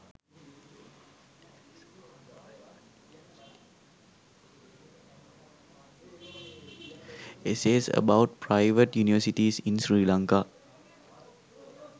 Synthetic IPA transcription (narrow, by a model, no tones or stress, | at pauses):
iseːzə̰baʊʈ̚pɾaɪʋəʈjuːniʋəsiʈisĩnsɾiːlãŋka